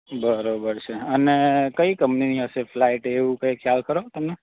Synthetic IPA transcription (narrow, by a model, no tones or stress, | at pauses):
bəɾobəɾt͡ʃʰeənekəikəmpniniɦəʃeflaiʈeʋũkəkʰjalkəɾot̪əmne